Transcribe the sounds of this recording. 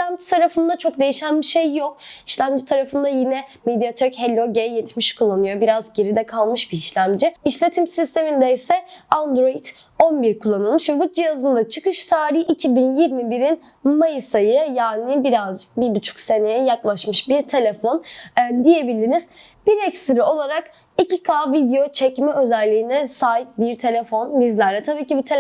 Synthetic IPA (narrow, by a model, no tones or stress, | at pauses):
iʃlʲæmd͡ʒit̪ʰaɾafɯnd̪at͡ʃʰo̞k̚d̪e̞jiʃænbiʃejːok̚iʃlʲæmd͡ʒit̪ʰaɾafɯnd̪ajinɛmed̪ijat̪ʰøchelʲo̞ɟejɛt̪miʃkʰulˠːanɯjo̞biɾazɟe̞ɾid̪ɛkʰalˠmɯʃbiiʃlʲæmd͡ʒiiʃlʲe̞t̪ʰimsist̪ʰe̞mind̪ɛisɛand̪ɾoit̪ | o̞nbiɾkʰulˠːanɯlˠmɯʃvɛbud͡ʒijazɯnd̪at͡ʃʰɯkɯʃt̪ʰaːɾiçʔicʰibinjiɾmibiɾin | majɯsajɯjaːnibiɾazbibut͡ʃʰu̥kse̞nejɛjaklˠaʃmɯʃbiɾt̪ʰe̞lʲe̞fo̞nːd̪ije̞bilʲiɾniz̥ | b̥iɾɛcsɾio̞lˠaɾak | icikʰaːvid̪ejo̞t͡ʃʰɛcmɛø̞zælʲːiːnɛsaːjip̚biɾt̪ʰe̞lʲe̞fo̞nbizlʲæɾlʲɛt̪ʰabiːcibut̪ʰe